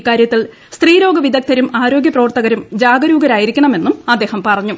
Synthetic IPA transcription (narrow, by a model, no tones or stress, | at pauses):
kːaːɾjɐt̪ːil | st̪riːɾo̞ːɡɐʋid̪ʱɐk̚t̪ʰɐɾumaːɾo̞ːɡjɐprɐʋɐrt̪ɐɣɐɾumd͡ʑaːɡɐɾuːɡɐɾaːjiɾikʲːɐɳɐme̞nːumɐd̪ːe̞ːhɐmpɐrɐɲːu